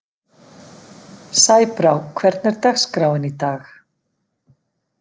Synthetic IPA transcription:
saːjpɾawkʰvɛɾt̪nɛɾt̪axskɾaːwɪnit̪aːx

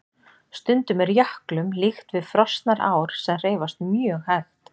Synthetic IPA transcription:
st̪ʏnt̪ʏmɛɾjahklʏmlixt̪vɪðfɾɔst̪naɾaːwɾ̥sɛmr̥eːjvast̪mjœːɣhaft̪

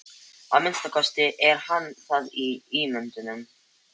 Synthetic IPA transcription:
a̰ðmɪnst̪akʰɔst̪ɪʔɛɾhanːθaðiimʏnt̪ʏnʏm

